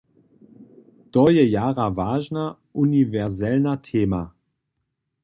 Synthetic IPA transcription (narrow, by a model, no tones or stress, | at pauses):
tɔjɛjaːʁavaːʒna | univɛʁzɛlnatʰeːma